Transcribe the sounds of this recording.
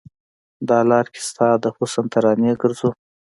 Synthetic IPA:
d̪ɑlɑɾkʰe̥st̪ɑd̪əxusant̪ʰaɾɑneɡəɾzu

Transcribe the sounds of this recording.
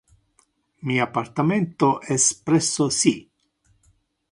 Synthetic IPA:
miapːart̪ament̪oʔɛspɾɛsːosi

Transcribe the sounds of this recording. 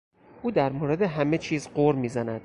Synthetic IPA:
ʔuːd̪æɾmoːɾe̞d̪eɦæme̞t͡ʃʰiːzɢoːɾmiːzænæd̪̥

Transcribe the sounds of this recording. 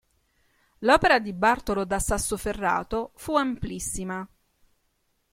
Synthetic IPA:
lɔːpeɾad̪ibart̪olod̪asːasːoferːa̰ːt̪ofuamplisːima

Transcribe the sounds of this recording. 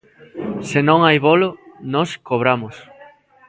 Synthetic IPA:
sɪnõŋajβolonɔskoβ̞ɾamʊs

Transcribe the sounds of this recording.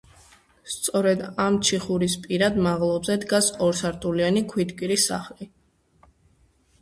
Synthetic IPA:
st̪sʼɔɾɛd̪amt͡ʃʰiχuɾispʼiɾad̪maʁlˠɔbzɛd̪ɡasɔɾsaɾt̪ʰʼulianikʰwid̪kʼiɾisa̰χli

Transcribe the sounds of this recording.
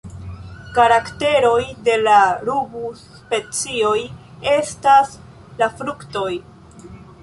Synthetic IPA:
kaɾakte̞ɾo̞jde̞laɾubus | pe̞t͡sio̞j | e̞stas | lafɾukto̞j

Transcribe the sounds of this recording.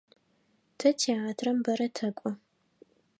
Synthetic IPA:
tʰɐtʰiaːtʰrɐmbɐɾɐtʰɐkʷʼɔ

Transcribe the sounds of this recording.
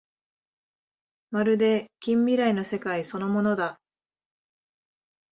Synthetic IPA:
maɾɯ̟d̪e̞kʲĩmbʲiɾaino̞se̞kaiso̞no̞mo̞no̞d̪a

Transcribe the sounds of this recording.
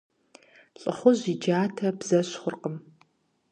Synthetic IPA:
ɬʼɨχʷʊʑid͡ʒaːtʰɐbz̥ɐɕχʷʊrqəm

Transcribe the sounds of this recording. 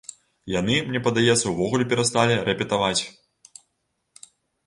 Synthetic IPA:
janɨmnʲɛpɐd̪ajɛt̪sːɐwvɔɣulʲɛpʲɛɾast̪alʲiɾɛpʲɛt̪avat͡sʲ

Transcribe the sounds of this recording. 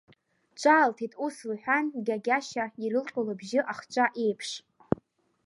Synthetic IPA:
t͡ʃʷʰʼaːltʰitʼuslħʷᶣanɡʲaɡʲaʃaiɾɨlqʲʷʼolabʒɪʔaχt͡ʃʷʼaʔe̞jpʰʂ

